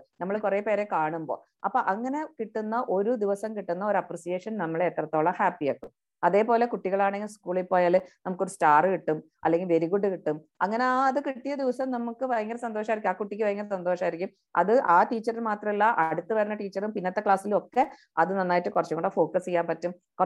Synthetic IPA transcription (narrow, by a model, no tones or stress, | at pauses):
nɐmːɐɭkure̞ːpe̞ːɾe̞kaːɳumbo̞̰ː | ɐpːoʔɐŋːɐne̞kiʈːunːɐʔo̞ɾud̪iʋɐsɐmkiʈːunːɐo̞ɾɐprisijeːʂɐnnɐmːɐɭet̪ːrɐt̪ːo̞ːɭɐhaːpːijaːkːum | ɐðe̞ːpo̞ːle̞kuʈːiɣɐɭaːɳeŋɡilskuːɭipːoːjaːlɨnɐmukːo̞ɾustaːrɨkiʈːum | ɐ̰lːe̞ŋɡilʋe̞ɾiɣuɖːɨkiʈːum | ɐŋːɐneaːɐðɨkiʈːijɐd̪iʋɐsɐmnɐmukːɨʋɐjɐŋːɐlsɐnd̪oːʂɐmaːiɾikʲːmaːkuʈːikʲːɨʋɐjɐŋːɐlsɐnd̪oːʂɐmaːjiɾikʲːum | ɐ̰ðɨʔaːʈiːt͡ɕːɐrilmaːt̪rɐmilːɐʔɐɽut̪ːɨʋɐɾunːɐʈiːt͡ɕːɐrumpinːɐt̪ːe̞kɭaːsilo̞kːe̞ | ɐðɨnɐnːaːjʈːɨkurɐt͡ɕːukoɳɖɐfo̞ːkɐsijːaːnpɐtːum | ku